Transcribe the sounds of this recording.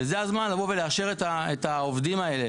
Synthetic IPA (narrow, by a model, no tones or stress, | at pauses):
ezeazmanlavove̞leaʃe̞ʁet̪aetaovd̪imae̞le̞